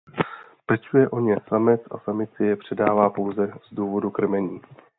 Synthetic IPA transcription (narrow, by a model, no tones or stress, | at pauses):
pɛt͡ʃujɛʔo̞ɲɛsamɛt͡sʔa̰samɪt͡sɪjɛpr̝̥ɛdaːvaːpo̞wzɛz̥duːvo̞dukr̩mɛɲiː